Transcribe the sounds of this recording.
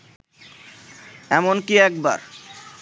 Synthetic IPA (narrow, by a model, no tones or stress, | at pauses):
ɛmonkiɛk̚ba̰ɾ